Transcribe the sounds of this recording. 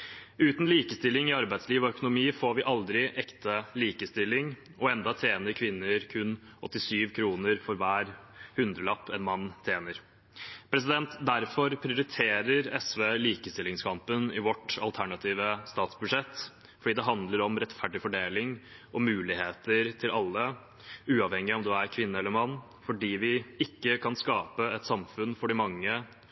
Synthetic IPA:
ʉːt̪nliːkəst̪ɪlːɪŋɪɑɾbæɪd̪sliːʋɔœkʊnʊmiːfoːɾʋɪʔɑld̪ɾɪʔɛkt̪əliːkəst̪ɪlːɪŋ | ʔɔɛnd̪ɑt̪ʰeːnəɾkʰʋɪnːəɾkʰʉnɔt̪ːɪsyːʋkʰɾuːnəɾfɔɾʋæːɾhʉnd̪ɾəlɑpːɛnmɑnːt̪ʰeːnəɾ | pʰɾɛs̬ɪd̪ɛnt̪d̪æɾfɔɾpʰɾɪʊɾɪt̪ʰeːɾəɾɛsʋeːliːkəst̪ɪlɪŋskʰɑmpənɪʋɔʈːɑ̰lˠt̪ʰæɳɑt̪ʰiːʋəst̪ɑːt̪sbʉʂɛt̪ː | fɔɖiːd̪ɛɦɑnd̪ləɾɔmɾɛt̪fæɖɪfɔɖeːlɪŋʔɔmʉːlɪheːt̪əɾt̪ʰɪlʔɑlːə | ʉːɑʋhɛŋːɪɔmd̪ʉæɾkʰʋɪnːəɛlːəɾmɑnː | fɔɖiːʋɪɪkːəkʰɑnskɑːpəɛt̪sɑmfʉnfɔɖɪmɑŋːə

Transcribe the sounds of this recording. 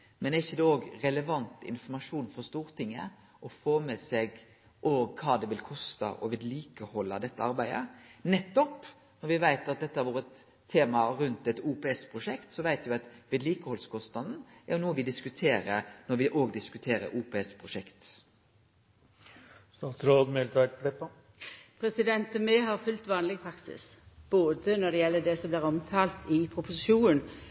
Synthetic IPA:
mɛnæɾɪçːəd̪ɛoːɡɾɛləʋɑnt̪ɪ̰nfɔɾmɑʂuːnfɔst̪uːɾt̪ʰɪŋːə | ʔɔfoːmɛseːɡ | ʔoːɡkʰɑːd̪ɛʋɪlkʰɔst̪ɑ̰ʔɔʋɪd̪liːkəhɔlːɑd̪ɛt̪ːəɑɾbæɪd̪ə̰nɛt̪ːɔp | nɔɾʋɪʋæɪt̪ɑt̪̚d̪ɛt̪ːəhæɾʋoːɾət̪ʰː | eːmɑɾʉnt̪ɛt̪uːpɛːɛspʰɾʊʂɛkt̪sɔʋæɪt̪ʋɪɑt̪ʋeːd̪liːkəhɔlskʰɔst̪nɑd̪n̩æɾjʊnuːəʋɪd̪ɪskʉt̪ʰeːɾənɔɾʋɪʔoːɡd̪ɪskʉt̪ʰeːɾə̰ɾʔuːpeːɛspʰɾʊʂɛkt̪ | st̪ɑːt̪ɾoːd̪mɛlt̪ʰæɪʈ̪flɛpːɑ | pʰɾɛsɪd̪ɛnt̪əmɛɦɑʁfʉlt̪ʋɑːnlɪɡpʰɾɑksɪ̰sb̥oːd̪ənɔd̪ɛjɛlːəd̪ɛsɔmbliːʁɔmt̪ʰɑːlt̪ɪpʰɾʊpʊsɪʃuːnn

